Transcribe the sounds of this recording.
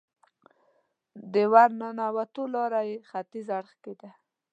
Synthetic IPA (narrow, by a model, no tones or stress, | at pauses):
d̪əwaɾnanawat̪olɑɾajexat̪izaɽxked̪a